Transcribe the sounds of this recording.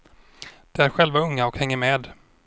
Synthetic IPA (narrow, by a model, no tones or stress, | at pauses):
d̪̥ɛæɾɧɛlvaɵŋːaɔkhɛŋːəɾmeːd̪